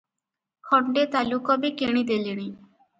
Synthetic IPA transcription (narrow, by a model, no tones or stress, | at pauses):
kʰɔɳɖet̪alukɔbekeɽ̃id̪eliɽ̃i